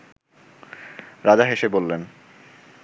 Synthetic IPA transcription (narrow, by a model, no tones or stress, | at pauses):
ɾad͡ʑaɦeʃebolːen